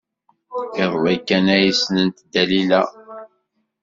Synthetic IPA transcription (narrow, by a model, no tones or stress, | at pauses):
ɪðˤvækːænæjisnənt̪d̪ælilæ